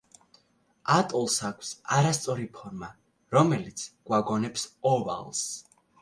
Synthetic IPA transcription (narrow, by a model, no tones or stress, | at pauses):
at̪ʼɔlˠsakʰsaɾast̪sʼɔɾipʰɔɾma | ɾɔmɛlit̪sʰɡ̥waɡɔnɛpsɔva̰lˠs